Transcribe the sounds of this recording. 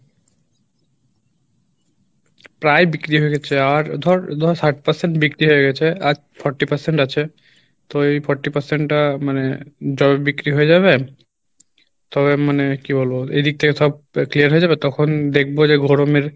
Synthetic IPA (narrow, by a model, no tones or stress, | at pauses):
pɾajbikɾiɦoeɡɛt͡ɕʰeaɾd̪ʱɔɾd̪ʱɔɾsʰaɾʈpaɾseɳʈbikɾiɦoeɡɛt͡ɕʰead͡ʑ | fʰɔɾʈːipaɾseɳʈat͡ɕʰe | t̪oejfɔɾʈːipaɾseɳʈːamaned͡ʑɔbebikɾiɦoed͡ʑaβe | t̪ɔβemanekibolboḛd̪ik̚t̪ʰekeʃɔb̚kliaɾɦoed͡ʑabet̪ɔkʰond̪ek̚ʰbod͡ʑeɡʱoɾomeɾ